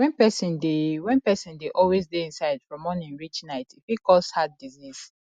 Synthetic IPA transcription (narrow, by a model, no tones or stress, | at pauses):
wɛ̃npɛsĩndewɛ̃npɛsĩndeʔɔlwezdeĩnsaɪd̥fɹɔ̃mɔnĩŋɹit͡ʃnaɪtifikɔshad̚diziz̥